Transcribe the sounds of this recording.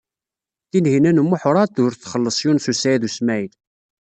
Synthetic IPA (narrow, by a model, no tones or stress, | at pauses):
θinhinænmːʊħʊɾˤɑt̪ʊɾθχəlːəsˤjunsusæjðusmæjl